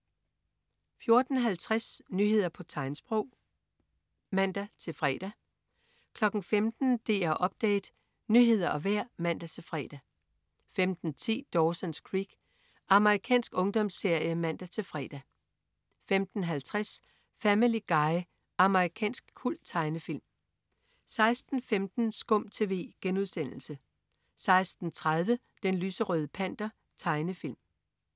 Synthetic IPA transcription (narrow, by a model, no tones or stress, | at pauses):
fjo̝ɐd̥n̩ɦælt͡sʰʁasnyɦe̝ð̞̰ˠɐpʰɒ̽t͡sʰɑ̈ɪnsb̥ʁɔʊ̰ | mæn̰d̥æt͡sʰe̝lfʁɛ̰ːd̥æ | kʰlɒ̽ɡ̥n̩femd̥n̩d̥e̝ːæʔɒ̽b̥̚d̥ḛːd̥ | nyɦe̝ð̞̰ˠɐʔɒ̽ʋæɐ̰mæn̰d̥æt͡sʰe̝lfʁɛ̰ːd̥æ | femd̥n̩t͡sʰḭːd̥ɒːsənskʰʁiɡ̥ | ɑ̈məʁikʰɛ̰ːnsɡ̥ɔ̽ŋd̥ɒ̽msːe̝ɐ̰jəmæn̰d̥æt͡sʰe̝lfʁɛ̰ːd̥æ | femd̥n̩ɦælt͡sʰʁas | fæmiliɡ̥ɑ̈ɪ | ɑ̈məʁikʰɛ̰ːnsɡ̥̚kʰul̰d̥̚t͡sʰɑ̈ɪnəfil̰m | sɑ̈ɪsd̥n̩femd̥n̩sɡ̥ɔ̽m̰t͡sʰe̝ːʋe̝̰ːɡ̥enuðˠsen̰l̩sə | sɑ̈ɪsd̥n̩t͡sʰʁað̞ˠʋə | d̥enlyːsəʁœːð̞ˠəpʰæn̰d̥ɐ | t͡sʰɑ̈ɪnəfil̰m